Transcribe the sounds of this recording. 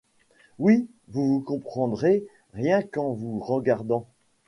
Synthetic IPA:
wi | vuvukɔ̃pχɑ̃d̪ʁe | ʁjɛ̃kɑ̃vuʁəɡaʁd̪ɑ̃

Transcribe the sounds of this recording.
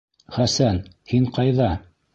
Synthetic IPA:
χæsænhiɴqɑjðɑ

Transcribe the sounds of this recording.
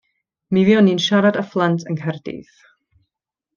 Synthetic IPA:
miviɔniːnʃaɾadaflˠantʰəŋkʰɛrdḭθ

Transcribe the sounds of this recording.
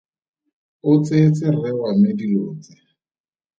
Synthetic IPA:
ʊt͡set͡sɪrɛwamediloːt͡sɪ̥

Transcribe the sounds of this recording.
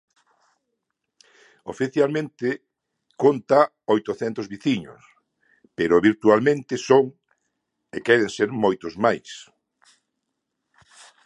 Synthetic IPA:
o̰fiθjalmẽnt̪ɪ | kont̪a | ojt̪oθɛnt̪ozβiθiɲo̰s | peɾʊβiɾt̪ualmẽnt̪ɪsoŋ | ekɛɾeŋseɾmojt̪ʊzmajs

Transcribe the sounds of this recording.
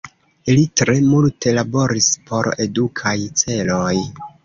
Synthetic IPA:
ilitɾe̞multʰe̞labo̞ɾispʰo̞ɾe̞dukʰajt͡se̞loj

